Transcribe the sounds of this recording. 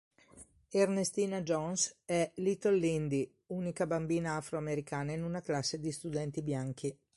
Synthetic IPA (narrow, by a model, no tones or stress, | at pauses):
ernest̪iːnad͡ʒɔnsɛlit̪olːind̪i | uːnikabambiːnaafɾoameɾikaːnainunaklasːed̪ist̪ud̪ɛnt̪ibjaŋki